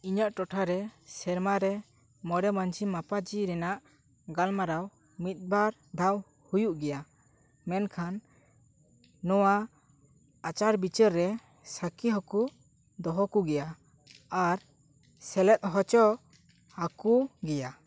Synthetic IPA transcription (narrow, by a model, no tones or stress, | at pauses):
iɲɔʔʈɔʈʰaɾɛsɛɾmaɾɛ | mɔɽɛmand͡ʒimapad͡ʒiɾɛnaʔ | ɡalmaɾaw | mit̪̚ˀbaɾ | d̪ʱaw | hujuʔɡɛja | mɛnkʰan | ɔwa | at͡ʃaɾbit͡ʃəɾːɛ | sakiɦɔku | d̪ɔɦɔkuɡɛja | aɾ | sɛlɛt̪̚ˀɦɔt͡ʃɔ | akuɡɛja